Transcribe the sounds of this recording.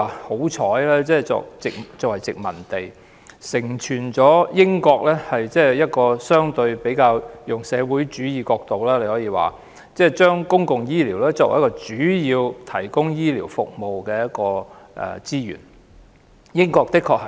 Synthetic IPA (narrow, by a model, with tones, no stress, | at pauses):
ho˨˥wt͡ʃʰɔː˨˥jlɛː˥t͡sɛː˥˩t͡sɔ̰ː˧k̚t͡sɪ˨k̚t͡sɔː˧k̚wɐ˨˩jt͡sɪ˨k̚mɐ̰˨˩nt̪e˨j | sɪ˨˩ŋt͡ʃʰyː˨˩nt͡sɔː˨˥jɪ˥ŋkɔː˧k̚lɛː˥hɐ˨jt͡sɛː˥jɐ˥t̚kɔː˧sœː˥ŋt̪ɵ˧ɥpe˨˥jkaː˧wjʊ˨ŋsɛː˨˧wu˨˥jt͡ʃyː˨˥jiː˧kɔː˧k̚t̪o˨wlaː˥le˧hɔː˨˥jiː˧wa̰ː˨ | t͡sɛː˥t͡ʃœː˥ŋkʊ˥ŋkʊ˨ŋjiː˥liː˨˩wlɛː˥t͡sɔː˧k̚w̰jkːɔː˧t͡ʃyː˨˥jiː˧wt̪ʰɐ˨˩jkʊ˥ŋjiː˥liː˨˩wfʊ̰˨k̚mo˨wkɛː˧jɐ˥t̚kɔː˧ʔɛ̰˨t͡siː˥jy̰ː˨˩n | jɪ˥ŋkɔː˧k̚t̪ɪ˥kʰːɔː˧k̚hɐ˨